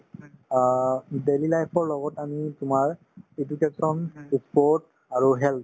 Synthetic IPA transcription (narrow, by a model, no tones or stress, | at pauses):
delilajpʰɔɹlɔɡɔtamitʊmaɹ | ed͡ʒukesɔnsipɔɹt̚ | aɹuɦɛl̚